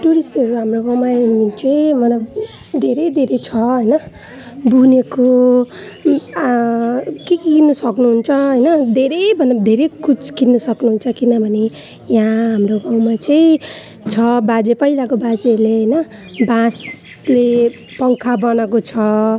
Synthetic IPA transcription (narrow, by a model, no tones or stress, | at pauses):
ʈuɾisʈʌɾuɦamroɡaw̃mait͡sʌĩmʌla | d̪ʱeɾʌjd̪ʱeɾʌjt͡sʰʌɦʌjnʌ | buneko | kekiinːʌsʌknuɦunt͡sʰʌɦʌjnʌd̪ʱeɾʌjbʱʌnd̪ʱeɾejkut͡skinːʌsʌknuɦunt͡sʰʌkinʌbʱʌne | jãɦamroɡaw̃mat͡sʌĩ | t͡sʰʌbad͡zepʌilakobad͡zeleɦʌjnʌ | bãs | le | pʌŋkʰabʌnʌkot͡sʰʌ